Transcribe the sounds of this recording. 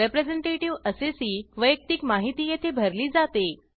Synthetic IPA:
epɾed͡zeɳʈeʈiʋəsesiːʋəjək̚t̪ikmaɦit̪iːjet̪ʰebʱəɾliːd͡zat̪e

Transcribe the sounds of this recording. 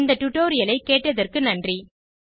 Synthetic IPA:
nd̪ɐʈ̪ʊʈːoːɾɪjɐlɐɪkːeːʈːɐðɐrkɯnɐndri

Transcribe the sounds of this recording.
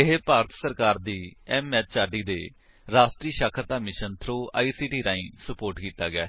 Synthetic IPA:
ɪɦpaːɾət̪səɾkaːɾd̪iːɛːmɛːt̪̚t͡ʃaːɖiːd̪ḛː | ɾaːsʈɾiːʃaːkʰəɾt̪aːmɪʃənt̪ʰɾoːa̰ːiːsiːʈiːɾãːĩːsəpoːɾʈkiːt̪aːɡɛ̰ː

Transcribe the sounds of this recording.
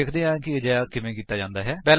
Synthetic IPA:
eːkʰd̪eːãːkɪd͡ʒɛːaːkɪmẽːkiːt̪aːd͡ʒãːnd̪aːɦɛːpɛːl

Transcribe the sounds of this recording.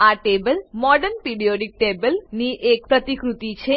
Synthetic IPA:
aʈebəlmɔɖəɾnpiɖioɖik̚ʈebəlniʔek̚pɾət̪ikɾut̪it͡ɕʰe

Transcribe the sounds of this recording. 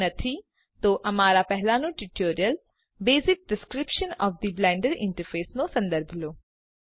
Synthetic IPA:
nɐt̪ʰi | t̪oːʔɐmaːɾapɛɦlanũʈɪʈoːɾijəl | beːzɪk̚pɾɪskɾɪpʃənɔːfd̪iblɛ̃ːɳɖəɽɪ̰̃ɳʈəɾfeːsnõsɐ̃nd̪əɾbʱloː

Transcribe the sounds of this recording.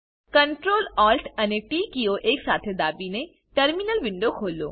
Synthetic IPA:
kəɳʈɾoːlɔːlʈʰɐneʈiːkioʔeːksaːt̪ʰed̪aːbine | ʈəɾminəlʋɪɳɖokʰoːlo̰ː

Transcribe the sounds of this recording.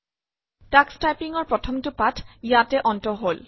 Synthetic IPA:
takstajpiŋɔɹpɹɔtʰɔmtʊpatʰjatɛʔɔntɔɦol

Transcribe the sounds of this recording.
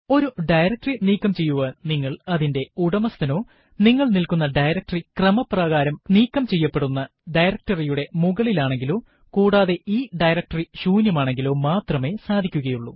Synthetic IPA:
o̞ɾuɖɐjɾɐk̚ʈriniːkːɐmt͡ɕe̞jːuʋɐniŋːɐɭɐðinde̞uɽɐmɐst̪ʰɐno̞ː | niŋːɐɭnilkun̪ːɐɖɐjɾɐk̚ʈrikrɐmɐprɐɣaːɾɐmniːkːɐmt͡ɕe̞jːɐpːe̞ɽunːɐ | ɖɐjɾɐk̚ʈɐrijuɽe̞muɣɐɭilaːɳe̞ŋɡilo̞ː | kuːɽaːðe̞ʔiːɖɐjɾɐk̚ʈɐriɕuːnjɐmaːɳe̞ŋɡilo̞ːmaːt̪rɐme̞ːsaːd̪ʱikʲːuɣɐjuɭːu

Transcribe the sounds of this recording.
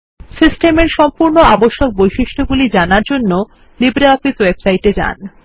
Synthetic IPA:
sisʈemeɾʃɔmpuɾnoaboʃːok̚bojʃiʃʈʰoɡulid͡ʑanaɾd͡ʑonːo | libɾaɔfiswebsajʈed͡ʑa̰n

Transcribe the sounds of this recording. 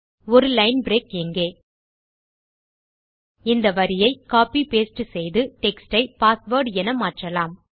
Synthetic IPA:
ɔɾɯlɐɪnbɾeːkɛŋɡeː | ɪnd̪ɐʋɐɾɪjɐɪkaːpipeːsʈɯsɛjðɯʈɛksʈɐɪpaːsʋoːɾɖɛnɐmaːʈrɐlaːm

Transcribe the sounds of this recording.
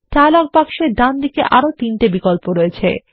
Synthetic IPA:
talak̚pakʃeɾɖ̪and̪ikeʔaɾot̪inʈebikolpoɾoet͡ɕʰḛ

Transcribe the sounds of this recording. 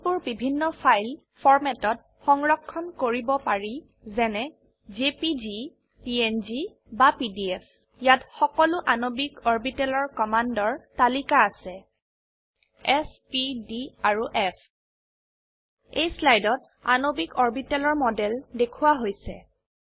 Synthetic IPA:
pʊɹbibʱinːɔpʰajl | pʰɔɹmɛtɔt̚ | xɔŋɹɔkʰːɔnkoɹibɔpaɹi | zɛnɛ | zepizi | pienzi | bapidiɛpʰ | jatxɔkɔlʊʔanobikɔɹbitɛlɔɹkɔmandɔɹtalikaːsɛ | ɛspidiaɹuʔɛpʰ | ejslajdɔt̚ | a̰nobikɔɹbitɛlɔɹmɔdɛldekʰuwaɦojsɛ̰

